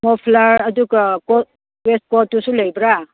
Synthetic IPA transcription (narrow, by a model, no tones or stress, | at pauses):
mɔpʰlaɾɐduɡakɔ | west̚kɔtːusulajbɾa